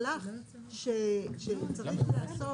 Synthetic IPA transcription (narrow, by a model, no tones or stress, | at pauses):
la | ʃeʃet͡saiχlaːso